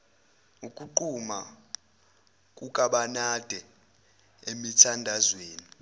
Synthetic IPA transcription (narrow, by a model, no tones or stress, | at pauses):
ukʼuǃuma̰ | k̬ʼukʼaɓanad̥ʱɛ | emitʰandʱazweːni